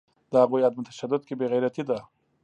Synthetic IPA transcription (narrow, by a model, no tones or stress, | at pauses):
d̪əhaɣujad̪̚mʊt̪ḁʃad̪ʊd̪̚kebeɣajɾat̪id̪a